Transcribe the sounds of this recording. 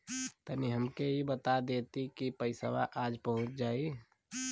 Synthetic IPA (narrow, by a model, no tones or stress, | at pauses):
t̪əmiɦəmkeɦibət̪ad̪eːt̪ikipəɪsə̰ʋa̰ʔaːd͡ʒpəɦʊ̃t͡ʃd͡ʒaːi